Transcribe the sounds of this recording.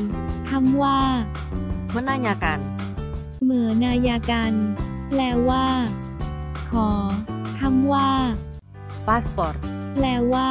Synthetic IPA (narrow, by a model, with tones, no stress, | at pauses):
t̪ʰa˧˥mwaː˥˩ | mʰɯ˧˦nːaː˧˩jaː˧ka˧n | mɯ˩˦ənaː˧jaː˧ka˧nplɛː˧waː˥˩ | kʰɔː˩˦t̪ʰa˧˥mwaː˥˩ | paː˦˥spɔː˨˩t̪̚plɛː˧˩waː˥